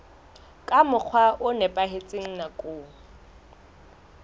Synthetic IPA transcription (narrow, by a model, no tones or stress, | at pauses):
kʼamʊk͡xʰwaʔʊnɛpʼaɦet͡sʼɪŋ̩nakʼʊː